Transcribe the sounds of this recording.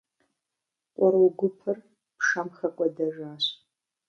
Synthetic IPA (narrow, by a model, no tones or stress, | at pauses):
qʷʼɔɾwʊɡʷʊpʰɨr | pʰʂɐmxɐkʷʼɔdɐʒaːɕ